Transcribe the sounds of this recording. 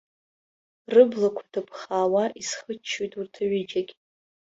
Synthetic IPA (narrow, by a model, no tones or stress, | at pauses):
rɨblakʷʰḁdʰapʰχaːwaʔisχət͡ʃʰːojtʼurtʰaɥɪd͡ʒakʲʼ